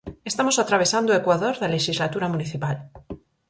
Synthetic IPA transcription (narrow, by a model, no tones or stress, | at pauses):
e̞st̪amosat̪ɾaβ̞e̞sand̪oekwaðoɾðaleʃizlat̪uɾamuniθipal